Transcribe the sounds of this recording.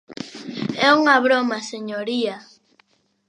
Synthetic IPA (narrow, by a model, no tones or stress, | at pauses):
ɛuŋaβɾomaseɲoɾia